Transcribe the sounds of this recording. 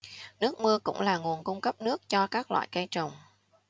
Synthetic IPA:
nɨ˦˥ək̚mɨ˧əkʊ̰˧˥ŋ͡mlaː˨˩ŋu˨˩ənkʊ˧ŋ͡mkə˦˥p̚nɨ˦˥ək̚t͡ɕɔ˧kaː˦˥k̚lwa̰ː˧˨jkə˧jt͡ɕə˨˩wŋ͡m

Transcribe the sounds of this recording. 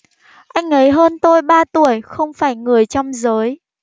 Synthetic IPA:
ʔa˧jŋ̟ʔə˨˦jɦəː˧nt̪o˧jɓaː˧t̪u˧˩əjxə˧wŋ͡mfaː˧˩jŋɨ˨˩əjt͡ɕɔ˧wŋ͡mzəː˨˦j

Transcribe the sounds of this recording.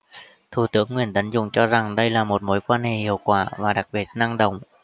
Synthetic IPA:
t̪ʰu˧˩t̪ɨ˨˦əŋːwi˨˩ənt̪ə˨˦nzʊ̰˧˨ŋ͡mt͡ɕɔ˧za˨˩ŋɗə˧jlaː˨˩mo˨˩t̚mo˨˦jkwaː˧nhe˨˩hḭ˧˨əwkwaː˧˩vaː˨˩ɗa˨˩k̚ɓi˨˩ət̚na˧ŋɗə̰˧˨wŋ͡m

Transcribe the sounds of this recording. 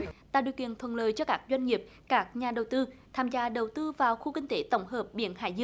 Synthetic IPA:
t̪a̰ː˧˨ɗi˨˩əkḭ˧˨ənt̪ʰwə˨˩nləː˨jt͡ɕɔ˧kaː˦˥k̚zwa˧jŋ̟ŋi˨˩əp̚ | kaː˦˥k̚ɲaː˨˩ɗə˨˩wt̪ɨ˧t̪ʰaː˧mzaː˧ɗə˨˩wt̪ɨ˧vaː˨˩wxu˧kï˧ŋ̟t̪e˧˦t̪ə˧˦wŋ͡mhəː˨˩p̚ɓḭ˧˩˦ənha̰ː˧˩jzɨ˧əŋ

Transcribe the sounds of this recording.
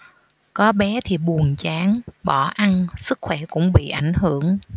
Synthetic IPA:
kɔ˨˦ɓɛ˨˦t̪ʰi˨˩ɓu˨˩ənt͡ɕaː˨˦nɓɔ˧˩ʔa˧nsɨ˦˥k̚xwɛ˧˩kʊ̰˧˥ŋ͡mɓḭ˧˨ʔa˧˩jŋ̟hɨ˧˩˨əŋ

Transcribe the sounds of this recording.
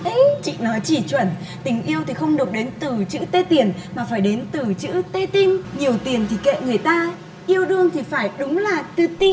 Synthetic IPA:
ʔə˨˦t͡ɕḭ˧˨nɔ˨˦jt͡ɕi˧˩t͡ɕwə˧˩n | t̪ï˨˩ŋ̟ʔi˧əwt̪ʰi˨˩xə˧wŋ͡mɗɨ˨˩ək͡p̚ɗe˨˦nt̪ɨ˨˩t͡ɕɨ̰˧˥t̪e˧t̪i˨˩ənmaː˨˩faː˧˩jɗe˨˦nt̪ɨ˨˩t͡ɕɨ̰˧˥t̪e˧t̪ï˧ŋɲi˨˩əwt̪i˨˩ənt̪ʰi˨˩kḛ˧˨ŋɨ˨˩əjt̪aː˧ | ʔi˧əwɗɨ˧əŋt̪ʰi˨˩faː˧˩jɗʊ˨˦ŋ͡mlaː˨˩t̪ɨ˨˩t̪i˧

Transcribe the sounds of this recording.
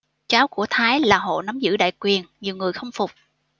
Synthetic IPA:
t͡ɕaː˨˦wku˧˩ət̪ʰaː˨˦jlaː˨˩ɦo̰˧˨na˨˦mzɨ̰˧˥ɗa̰ː˧˨jkwi˨˩ənɲi˨˩əwŋɨ˨˩əjxə˧wŋ͡mfʊ˨˩k͡p̚

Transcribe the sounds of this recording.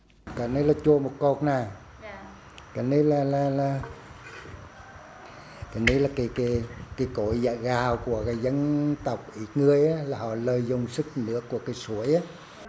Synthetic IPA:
kɔ˨˦ne˧˦laː˨˩t͡ɕu˧˩əmo˨˩t̚ko˨˩t̚naː˨˩ | kɔ˨˩˦ne˧laː˨˩laː˨˩laː˨˩ | ka˨˦ne˨˧˦laː˨˩ki˨˦ki˨˦kai˨˦ko˧˨jza˧˨˩ɣaː˨˩wku˧˩əkaː˨˦jzə˧nt̪ə˨˩wk͡p̚ʔi˨˦ŋɨ˨˩əjʔaː˨˦laː˨˩hɔ̰˧˨ləː˨˩jzʊ˨˩ŋ͡msɨ˦˥k̚nɨ̰˧˥əkːu˧˩əkaː˨˦jsu˨˦əjʔaː˨˦

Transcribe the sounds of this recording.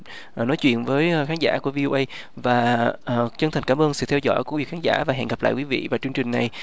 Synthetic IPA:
ʔnɔ˨˦jt͡ɕwḭ˧˨ənvəː˨˦jxaː˨˦nza̰ː˧˥˩ku˧˩əvi˧ʔo˧ʔə˧j | vaː˨˩˨ | t͡ɕə˧nt̪ʰŋ̟kːaː˧˦mʔəː˧nsɨ̰˧˨˩t̪ʰɛ˧wzɔ̰˧˥jku˧˥˩vi˨˩kxaː˨˦nza̰ː˧˩vaː˨˩ɦɛ̰˧˨nɣa˨˩p̚la̰ː˧˨jkwi˨˦vḭ˧˨vaː˨˩t͡ɕɨ˧əŋt͡ɕï˨˩ŋ̟na˨˩j

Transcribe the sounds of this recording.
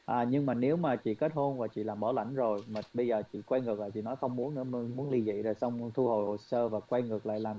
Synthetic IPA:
ʔaː˨˩ɲɨ˧ŋmaː˨˩ne˨˦wmaː˨˩t͡ɕḭ˧˨ke˦˥t̚ho˧nvaː˨˩t͡ɕḭ˧˨laː˨˩mɓɔː˧˩la̰˧˩jŋ̟zo˨˩jmaː˨˩ɓə˧jzəː˨˩t͡ɕḭ˧˨kwɛ˧jŋɨ˨˩ək̚aː˨˩t͡ɕḭ˧˨nɔ˨˦jxə˧wŋ͡mmu˨˦ənɨ̰˧˥ə˧mu˨˦ənli˧zḭ˧˨zo˨˩jsɔ˧wŋ͡mt̪ʰu˧ho˨˩jho˨˩səː˧vaː˨˩kwa˧ŋɨ˨˩ək̚la̰ː˧˨jlaː˨˩

